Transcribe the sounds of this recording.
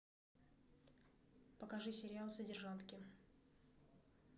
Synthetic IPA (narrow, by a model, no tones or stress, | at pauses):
pəkɐʐɨsʲɪɾʲɪalˠsədʲɪrʐant̪kʲɪ